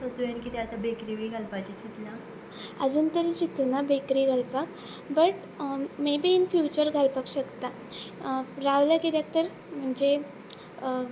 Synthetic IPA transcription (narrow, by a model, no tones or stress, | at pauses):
sɔt̪ujankit̪eat̪abekɾiʋiɡʱalpat͡ɕit͡ɕit̪la | ə̰d͡zuːnt̪əɾit͡ɕit̪nabekɾiːɡʱalpak | bəʈ | mebiːnfjut͡ɕəɾɡʱalpakɕəkt̪a | ɾaʋlaked̪jak̚t̪əɾ | m̤əɳd͡ʑe